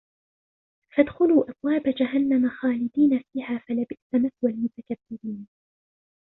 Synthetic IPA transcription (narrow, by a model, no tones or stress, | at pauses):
fad̪xʊluːʔɑbwaːbad͡ʒaɦanːamaxaːlɪd̪iːnafiːhaːfalabɪʔt̪amaθwalmʊt̪akabːɪɾiːn